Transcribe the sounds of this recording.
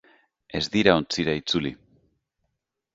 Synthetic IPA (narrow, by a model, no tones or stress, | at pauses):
e̞zðiɾaont͡siɾait͡suli